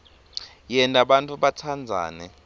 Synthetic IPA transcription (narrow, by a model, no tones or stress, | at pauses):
jɛntʼaɓantʼuɓatʰand͡zʱa̰ːnɛ